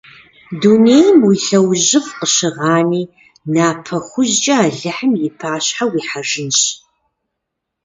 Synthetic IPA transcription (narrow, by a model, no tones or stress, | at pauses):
duneːjmwiɬɐwʑɪfqʼəʃɪʁaːniː | naːpʰɐχʷʊʒd͡ʒʼɐaːɮɨħəmjɪpʰaːɕħawiːħaʐɨnɕ